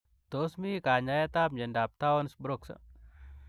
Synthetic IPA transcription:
t̪osmikaːɲajat̪aːpd͡ʒɐndap̚t̪awonsbɾoksɐ̰

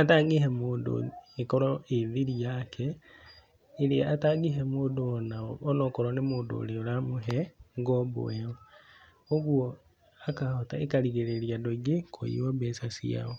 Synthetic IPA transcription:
ataːŋɡiɦemoːndo̰ekɔɾɔeðiɾiakʰɛ | iɾeataɡiɦemoːndoɔnaːnokɔɾonemoːndo̰ːleoɾamoɦɛŋɡɔbo̰wɛo | oɣwɔ | akahotaekaɾiɣeɾeɾiadoɡekʰo̰jḭwɔbesasḭa̰o

